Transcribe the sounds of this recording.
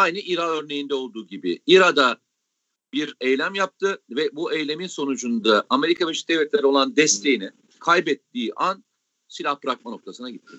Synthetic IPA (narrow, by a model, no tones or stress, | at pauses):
ajnɯʔiɾaø̞ɾne̞jind̪ɛo̞lˠd̪uːɟibḭiɾad̪a | biɾejlʲæmjap̚t̪ʰɯvɛbuʔejlʲe̞minso̞nud͡ʒund̪aʔame̞ɾikʰaveʃi̥d̪ɛvlʲɛt̪lʲeɾio̞lˠand̪ɛst̪ʰe̞jinɛ | kʰajbɛt̪ːiːʔan | silʲahbɾak̚mano̞k̚t̪ʰasɯnaɟit̪ʰːi